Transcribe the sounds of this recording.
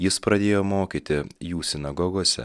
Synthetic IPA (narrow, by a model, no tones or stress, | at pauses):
jɪspɾɐd̪ʲeːjoːmoːkʲiːt̪ʲɪjuːsʲɪnɐɡɔɡoɔsʲɛ̰